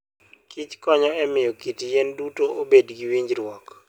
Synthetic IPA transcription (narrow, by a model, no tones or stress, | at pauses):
kit͡ʃkɔɲɔɛmɪjɔkitijɛndutoʔobedɡiwiɲd͡ʒɾwɔk